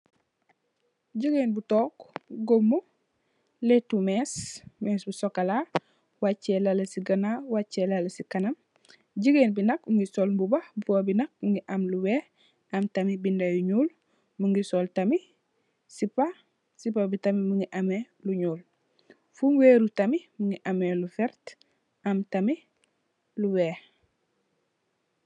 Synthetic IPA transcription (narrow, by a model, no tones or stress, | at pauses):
ɟəɡenbutoːkɡomːu | letumesmeːsbusokala | wat͡ʃːelalɐsiɡɐnawat͡ʃːelalɐsikanɐm | ɟiɡenbinɐkuŋɡisolbubahbubobinɐk̚uŋɡiʔamluwe | amtamibindajuɲuːl | muŋɡisoltami | sipa | sipabitamimuŋɡiʔame | luɲuːl | fuŋweːɾutamimuŋɡiʔamelufeɾt | amtami | luweːh